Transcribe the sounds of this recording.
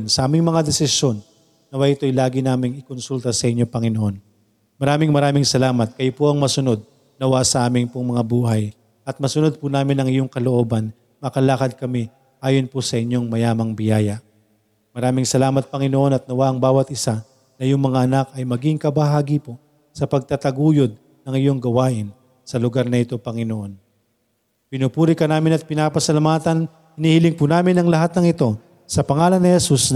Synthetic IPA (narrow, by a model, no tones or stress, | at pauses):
nsɐʔaːmɪŋmɐŋad̪ɛsɪsjo̞nː | ɐwaʔɪt̪ojlaːɡɪnaːmɪŋɪkonsult̪ɐsɐʔɪɲːo̞pɐŋɪnoʔo̞n | mɐɾaːmɪŋmɐɾaːmɪŋsɐlaːmɐt̪̚kɐjopoʔɐŋmɐsʊno̞d̪̚ | nɐwaʔsɐʔaːmɪŋpʊŋmɐŋabuːɦɐj | ʔɐt̪̚mɐsʊnod̪̚pʊnaːmɪnɐŋɪjoŋkɐloʔo̞ːbɐn | mɐkɐlaːkɐd̪̚kɐmɛ | ʔaːjonpʊsɐʔɪɲjo̞ŋmɐjaːmɐŋbɪjaːjɐ | mɐɾaːmɪŋsɐlaːmɐt̪̚pɐŋɪnoʔo̞nɐt̪̚nɐwaʔɐŋbaːwɐt̪ʔɪsa | nɐjʊŋmɐŋaʔɐnakɐjmɐɡɪŋkɐbɐɦaːɡɪpo | sɐpɐɡ̚t̪at̪ɐɡuːjod̪̚ | nɐŋɪjo̞ŋɡɐwaːʔɪn | sɐlʊɡaɾnɐɪt̪o̞pɐŋɪnoʔo̞n | pɪnupuːɾɪkɐnaːmɪnɐt̪̚pɪnaːpɐsɐlamaːt̪ɐn | hɪnihɪlɪŋpunaːmɪnɐŋlɐɦat̪̚nɐŋɪt̪o̞ | sɐpɐŋaːlɐnːɪhɛsus